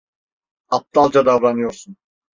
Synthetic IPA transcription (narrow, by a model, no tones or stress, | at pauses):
ap̚t̪alˠd͡ʒad̪avɾanɯjo̞ɾsun